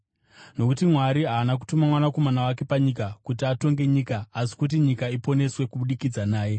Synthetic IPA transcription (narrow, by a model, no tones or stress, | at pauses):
no̞kutimwaɾiɦaːnak̬u̥tumamwanako̞manawake̞paɲikakut̬iato̞ŋɡe̞ɲikaːsi̥kut̬iɲikaipo̞ne̞swe̞kuɓuɗikid͡zanaːje̞